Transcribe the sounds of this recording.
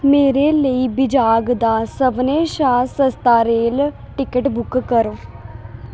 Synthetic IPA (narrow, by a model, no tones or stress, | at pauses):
meːɾeːləiːbɪd͡ʒaːɡd̪aːsəʋneːʃaːsəst̪aːɾeːl | ʈɪkəʈbʊkːəɾoː